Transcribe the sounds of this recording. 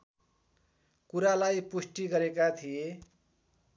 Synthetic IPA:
kuɾalajpusʈiɡʌɾekat̪ʰije

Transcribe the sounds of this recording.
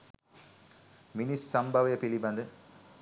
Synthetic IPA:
mɪnisːɐmbʱɐʋɐjɐpiɭibɐnd̪ɯ

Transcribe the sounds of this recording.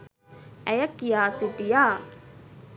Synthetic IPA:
ɛjakːijaːsitija

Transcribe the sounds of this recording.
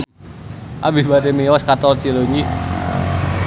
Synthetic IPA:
ʔabisbad̪emiɔskat̪ɔlt͡ʃiloɲi

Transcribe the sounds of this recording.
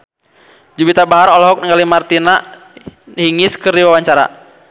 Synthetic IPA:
d͡ʒubit̪abaɦaɾɔlɔɦɔk̚nəŋalimart̪ina | hiŋɪskɨrdiwawaɲt͡ʃaɾa̰

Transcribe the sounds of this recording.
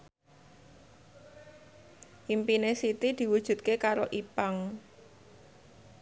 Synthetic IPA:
ʔimpinesit̪id̪̥i̤wud̥ʒ̥ṳt̪̚kekaɾoʔipaŋ

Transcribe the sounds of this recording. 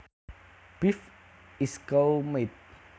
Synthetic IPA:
b̥if | iskawmet̪̚

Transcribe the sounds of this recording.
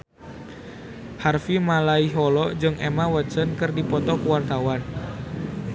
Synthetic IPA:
harfimalaiɦɔlɔd͡ʒɨŋʔemawəsənkɨrdipɔt̪ɔkuwart̪awan

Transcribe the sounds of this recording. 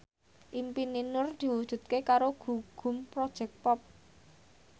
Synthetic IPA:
ʔimpininʊrd̪̥i̤wud̥ʒ̥ṳt̪̚kekaɾoɡ̥ṳɡ̥ṳmpɾɔd̥ʒ̥ɛ̤k̚pɔp̚

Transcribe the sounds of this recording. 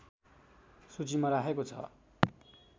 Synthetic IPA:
sut͡simaɾaɦekot͡sʰʌ̰

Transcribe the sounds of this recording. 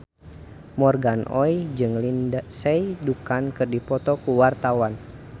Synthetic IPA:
mɔrɡanʔɔ̰id͡ʒɨŋlindasɛjdukankɨrdipɔt̪ɔkuwart̪awan

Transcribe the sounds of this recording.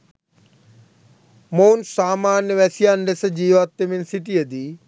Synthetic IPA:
moːnsaːmaːnʋɛsijaːnɖesəd͡ʑiːʋaːt̪ːemɪnsɪʈiɦɐd̪iː

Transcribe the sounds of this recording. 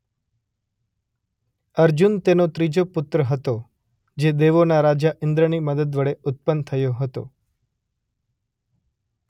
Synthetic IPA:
əɾd͡ʒunt̪enot̪ɾid͡ʒopʊt̪ɾəɦət̪o | d͡ʒed̪eʋonaɾad͡ʒaʔɪnd̪ɾəniməd̪əd̪ʋəɭeʊt̪̚pənt̪ʰəjoɦət̪o̰

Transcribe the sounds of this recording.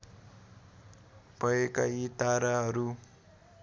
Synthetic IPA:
pʌekajit̪aɾaɦʌɾu

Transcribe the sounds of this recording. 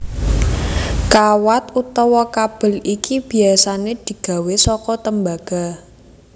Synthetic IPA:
kawat̪ut̪ɔwɔkab̥ə̤likib̥i̤asaned̪̥i̤ɡ̥ä̤wesɔkɔt̪əmbaɡ̥a̤

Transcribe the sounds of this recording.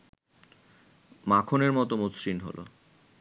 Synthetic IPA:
makʰoneɾmɔt̪omot̪sɾinɦo̰lʔo̰

